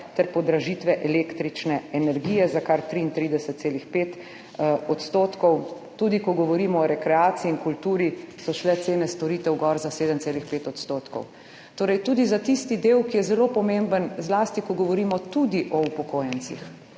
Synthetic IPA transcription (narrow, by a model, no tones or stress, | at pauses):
t̪ɛɾpɔd̪ɾaʒit̪ʋɛʔɛlekt̪ɾit͡ʃnɛɛnɛɾɡiːjɛzakaɾt̪ɾiːnt̪ɾiːd̪ɛsət̪t̪seːlixpeːt̪ | ɔt̪st̪oːt̪kɔw | t̪uːd̪ikɔɡɔʋɔɾiːmɔɔɾɛkɾɛaːt̪siiːŋkult̪uːɾisɔʃlɛt̪seːnɛst̪ɔɾiːt̪ɛwɡɔɾzaseːd̪əmt̪seːlixpeːt̪ɔt̪st̪oːt̪kɔ̰w | t̪oːɾɛjt̪uːd̪izat̪ist̪id̪eːwkijɛzɛlopɔmembənzlaːst̪ikɔɡɔʋɔɾiːmɔt̪ud̪iʔɔupɔkoːjənsḭx